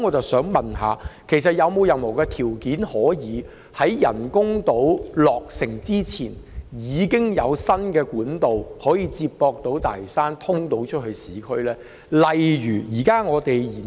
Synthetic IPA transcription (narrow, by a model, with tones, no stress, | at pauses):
ŋɔː˨˧t͡sɐ˨wsœː˨˥ŋmɐ˨nɦa̰ː˨˧kʰe˨˩js̬ɐ˨t̚jɐ˨˧wmo˨˧wjɐ˨nmo˨˩wkɛ˧t̪ʰi˨˩wkiː˨˥nhɔː˨˥jiː˨˧ | hɐ˨˥jjɐ̰˨˩nkʊ˥ŋt̪o˨˥wlɔː˨k̚sɪ˨˩ŋt͡siː˥t͡sʰiː˨˩njiː˨˧kɪ˥ŋjɐ˨˧wsɐ˥nkɛː˧kuː˨˥nt̪o˨whɔː˨˥jiː˨˧t͡siː˧p̚pːɔː˧k̚t̪o˨˥wt̪a̰ː˨˩jsaː˥nt̪ʰʊ˥ŋt̪o˨˧˥wt͡ʃʰɵ˥t̚hɵ˧ɥsiː˨˥kʰɵ˥lɛː˥ | lɐ˨jjyː˨˩jiː˨˩kaː˥ŋɔː˨˧t̪e˨jiː˨˩